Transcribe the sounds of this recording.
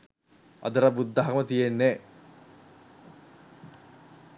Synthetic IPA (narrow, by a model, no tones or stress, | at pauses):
ɐ̰d̪əɾabud̪ːɐɦɐmət̪ijenːe